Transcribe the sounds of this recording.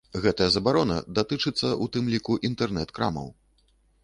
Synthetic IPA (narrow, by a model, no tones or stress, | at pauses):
ɣɛt̪ɐjɐzɐbaɾɔnɐ̰d̪at̪ɨt͡ʂɨt̪sːɐʔut̪ɨmlʲikuʔint̪ɛrnɛt̪kɾa̰mɐ̰w